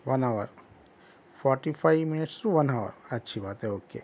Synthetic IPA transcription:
ʋɐnaʋəɾ | pʰɔːɾʈipʰaɪminɪʈsuʋɐnaʋə̰ɾɐtːʃʰibaːt̪ɦɛoːkːḛ

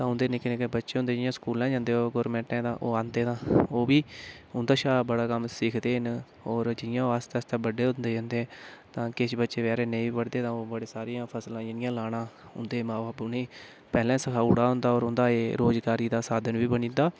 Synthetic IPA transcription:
t̪ãːʊ̃nd̪eːnɪ̃ːkɪneːkːbətːʃeːʊ̃nd̪eːd͡ʒɪjãːskuːlãːd͡ʒãːnd̪eːoːɡɔːɾmɛ̃ːɳʈɛ̃ːd̪ã̰ːʔoːãːnd̪eːt̪ãːoːbiːʊnd̪aːʃaːbəɽaːkəmsɪːkʰd̪eːɦən | ɔːɾd͡ʒɪjãːoast̪ːəst̪ãːbəɖeːʊnd̪eːd͡ʒãːnd̪eːɛ̃ːt̪ãːkɪʃbətːʃeːʋɛːɾeːneĩiːpəɽd̪eːt̪ãːoːbəɽeːsaːɾijãːpʰəslãːɪnɪjãːlaːɽãːʊ̰nd̪eːmãːbaːbʊnĩː | pɛːlɛ̃ːsəkʰaːuːɽaːɦʊ̃nd̪aːɔːɾʊnd̪aːeːɾoːd͡ʒɡaːɾiːd̪aːsaːd̪ənʋiːbənĩːnd̪aː

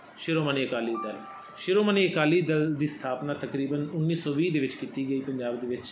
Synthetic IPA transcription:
ʃɪɾoːməniːəkaːliːd̪əl | ʃɪɾoːməniːəkaːliːd̪əld̪iːst̪ʰaːpnaːt̪əkɾiːbənʊnːiːsɔːʋiːd̪eːʋɪt͡ʃkiːt̪iːɡəiːpəɲd͡ʒaːbd̪eːʋɪt͡ʃ

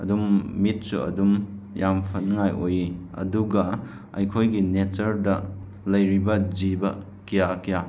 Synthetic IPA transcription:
ɐ̰dumːit̚sṵɐ̰dum | jampʰɐnŋajʔojiɐ̰duɡɐ | ɐjkʰojɡinet͡ʃɐɾdɐ | lɐjɾibɐd͡ʒibɐ | kijakija

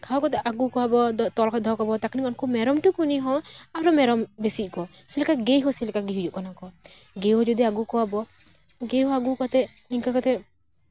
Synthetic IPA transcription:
kʰaɔkɔt̪̬ɛʔaɡukɔwabɔd̪ɔt̪ɔlkɔd̪ʱɔkɔbɔt̪aknikɔnkɔmɛɾɔmʈukuniɦɔaɾɔmɛɾɔmbesiʔkɔ | selɛkaɡeɦɔselɛkaɡeɦud͡ʒuʔkɔnakɔ | ɡeɦɔd͡ʒɔd̪iaɡukɔwabɔ | ɡeɦɔaɡukɔt̪ɛ | niŋkakɔt̪ɛ

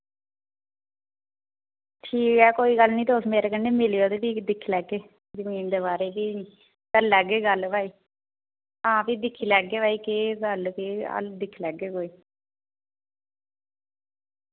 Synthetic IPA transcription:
ʈʰiːkɛːkoːiːɡəlnĩːt̪oːsmeːɾeːkəneːmɪlejoːd̪eːpiːd̪ɪkʰːlɛːɡeː | d͡ʒəmiːnd̪eβaːɾeːpiː | t̪əɾlɛːɡeːɡəlbaːiː | ɦãːpiːd̪ɪkʰːiːlɛːɡeːbaːiːkeɡəlkeə̰ld̪ɪkʰːilɛːɡeːkoːiː

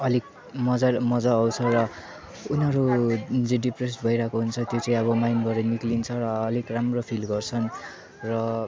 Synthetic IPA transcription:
ʌlik | mʌd͡zamʌd͡zaːwt͡sʰʌrʌ | unɦʌɾud͡zeɖipres̬bʱʌjɾakoɦunt͡sʰʌt̪jot͡saĩʌβʌmajnbʌɾeniklint͡sʰʌɾʌːlikramropʰilɡʌrt͡sʰʌn | rʌ

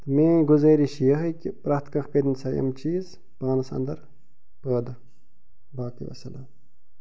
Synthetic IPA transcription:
t̪ɐmeːɡuzɐːɾiɕijɐɦɐkipɾɐxt̪kɐ̃xkɐd̪insɐjɐ̰mt͡ʃiːz | paːnɐsɐ̰nd̪ɐɾ | pəːd̪ɐ | baːkḭʋɐ̰sɐlɐ

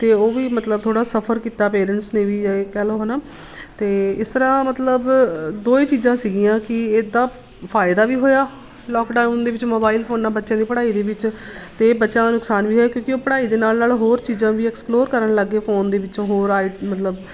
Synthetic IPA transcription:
t̪eːoːʋiːmət̪ləbt̪ʰoːɽaːsəpʰəɾkiːt̪aːpeːɾə̃ɳʈsnẽːʋiːd͡ʒaekɛːloːɦənaː | t̪eːɪst̪əɾãːmət̪ləbd̪oːeːt͡ʃiːzãːsiɡiːãːkɪeːd̪aː | pʰaːɪd̪aːʋiːɦoːjaː | lɔːkɖaːnd̪eːʋɪt͡ʃmoːbaːilpʰoːnːaːbətːʃãːd̪iːpəɽaːiːd̪eːʋɪt͡ʃt̪eːbətːʃãːd̪aːnʊksaːnʋiːɦoːjaːkjõːkɪoːpəɽaːiːd̪eːnaːlnaːlɦoːɾt͡ʃiːzãːʋiːɛːksploːɾkəɾəɳləɡːeːpʰoːnd̪eːʋɪt͡ʃoɦoːɾaːɪmət̪ləb

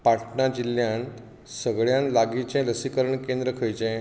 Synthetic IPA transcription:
paʈnad͡ʑilːjãn | səɡɭjãnlaɡit͡ɕɛ̃ləsikəɾəɳkẽnd̪ɾəkʰəjt͡ɕɛ̃

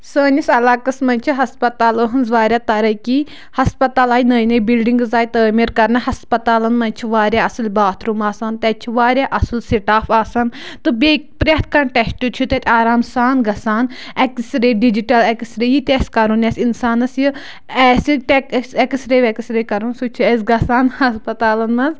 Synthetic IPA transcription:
səːnʲisɐlaːkɐsmɐnʲt͡ʃʰiɦɐspɐt̪aːləːɦɐnzʋaːɾʲaːt̪ɐɾɐki | hɐspɐt̪aːlaːjinəːjnɐjbilɖiŋɡzaːjt̪əːmeːɾkɐɾnɐɦɐspɐt̪aːlɐnmɐnʲt͡ʃʰiʋaːɾʲaːɐsɨlbaːt̪ʰɾumaːsant̪ɛt͡ʃʰiʋaːɾʲjaːʔɐsɨlsiʈaːfaːsant̪ɨbekpɾʲɐt̪̚ʰkɐɳʈɛsʈut͡ʃʰut̪ɐt̪ʰʲaːɾaːmsaːnɡɐsaːn | ɛksɾeːɖid͡ʒiʈɐlɛkisɾejit̪ʲɛːskɐɾunɐsinsaːnɐsjɨ | ɛsit̪ɛksɛkisɾeːʋɛkisɾeːkɐɾunsut͡ʃʰuɛsɡɐsaːnhɐspɐt̪aːlɐnmɐnz

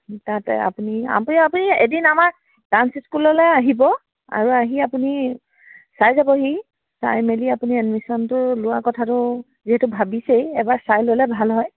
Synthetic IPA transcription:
tatɛ̰a̰punia̰pniapuniḛdinamaɹ | dansskulɔlɛaɦibɔ | a̰ɹuaɦiapuni | sajzabɔɦi | sa̰jmeliapuniɛnmisɔntʊɹlʊakɔtʰatʊ | ziɦɛtʊbʱabisejɛbaɹsajlojlɛbʱalɦɔj

